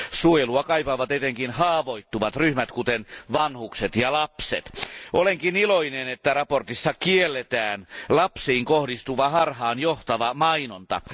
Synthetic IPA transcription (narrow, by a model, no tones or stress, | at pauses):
suojeluɑkɑipɑʋɑt̪et̪eŋkinhɑːʋoit̪ːuʋɑt̪ryhmæt̪kut̪enʋɑnhukset̪jɑlɑpsḛt̪ʔoleŋkiniloinenet̪ːærɑport̪isːɑkielːet̪æːnlɑpsiːŋkohdist̪uʋɑhɑrhɑːnjoht̪ɑʋɑmɑinont̪ɑ̰